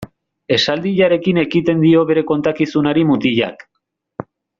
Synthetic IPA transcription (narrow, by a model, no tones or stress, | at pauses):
e̞sald̪iʎaɾe̞kine̞kit̪e̞nd̪io̞βe̞ɾe̞ko̞nt̪akisunaɾimut̪iʎa̰k